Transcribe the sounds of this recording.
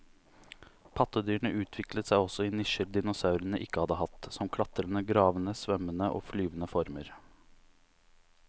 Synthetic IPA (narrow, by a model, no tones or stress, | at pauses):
pʰɑt̪əd̪yːɳəʔʉːt̪ʰʋɪklət̪sæɪɔsɔiːnɪʃəɾd̪ɪnʊsɑʉɾənəʔɪkːəhɑd̪əhɑt̪sɔmkʰlɑt̪əɾənəɡɾɑːʋənəsʋœmənəʔo̰ːflyːʋənəfɔɾməɾ